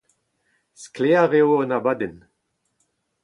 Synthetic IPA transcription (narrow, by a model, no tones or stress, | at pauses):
skleaʁewənabaden